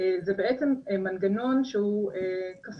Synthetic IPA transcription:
zebeʔet͡sememanɡano̞nʃehuekaf

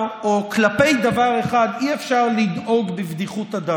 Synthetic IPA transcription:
oklape̞jd̪avaʁe̞χad̪iefʃaʁlidʔo̞ɡbibd̪iχut̪ad̪a

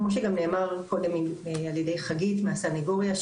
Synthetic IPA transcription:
mo̞ʃ̬eɡamne̞ːmaʁko̞de̞mimaljede̞jχaɡitmeasaneɡo̞ʁja

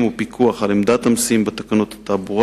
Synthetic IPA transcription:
mupikʰuaχalemd̪at̪amsimbet̪akanot̪hat̪abuʁa

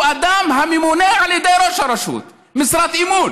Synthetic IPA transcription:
ʔad̪aːmɦamimuneʕalid̪ajɾoʃɑɾˤɑʃṵːt̪̚ | mɪsɾˤat̪ʔimuːn

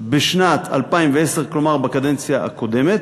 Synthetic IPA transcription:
beʃnat̪ʰa̰lpaimveeseʁklo̞maʁbekad̪e̞nt͡sjaa̰ko̞d̪e̞me̞t̪

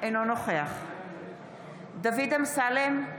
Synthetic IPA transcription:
enonoχeaχ | d̪avid̪amsalem

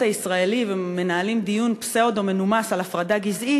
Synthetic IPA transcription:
aisʁae̞liveme̞naalimd̪ijunpseod̪o̞me̞numasalafʁadaɡizʔi

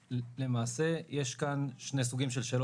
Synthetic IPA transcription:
le̞maːse̞je̞ʃkanʃne̞s̬uɡimʃe̞lʃe̞ːlo

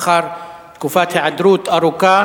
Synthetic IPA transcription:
xɑɾˤ | kufaːt̪haʕad̪ɾuːt̪aɾˤʊkaː

